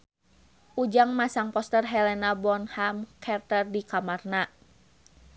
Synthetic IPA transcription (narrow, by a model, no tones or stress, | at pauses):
ʔud͡ʒaŋmasaŋpɔst̪ərɦɛlɛnabɔnhamkʰɛrt̪ərdikamarna